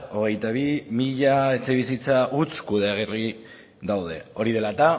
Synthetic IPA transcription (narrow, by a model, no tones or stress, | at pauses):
o̞ɣ̞e̞jt̪aβimiʎae̞t͡se̞β̞isit͡saʔut͡skuðeeɣ̞eri | ðawð̞e̞̰o̞ɾiðe̞lat̪a